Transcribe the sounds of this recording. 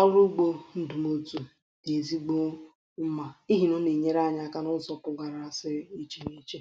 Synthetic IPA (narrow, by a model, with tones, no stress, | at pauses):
a˦ɾu˦ɡ͡bo˦n̩˦du˨mo˦tu˨ | de˨zi˦ɡ͡bo˦ | ma˨i˦ɦi˨no˦ne˨ɲe˦ɾa˦˨ɲa˦˨ka˦nʊ˦zɔ˦pʊ˦ɡa˨ɾa˨sɪ˦i˦t͡ʃe˦ne˦t͡ʃe˦